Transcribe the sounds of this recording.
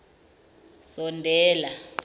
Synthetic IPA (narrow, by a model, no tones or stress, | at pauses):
sɔndʱɛːla